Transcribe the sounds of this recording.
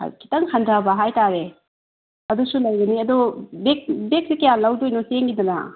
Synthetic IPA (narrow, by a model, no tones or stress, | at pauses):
a̰kʰi̥tɐŋhʰɐndʱabɐɦajtaɾe | ɐdusulɐjɡɐniɐdɔbek̚bek̚sikɐjalɐwdojnɔseŋɡidɐnɐ̰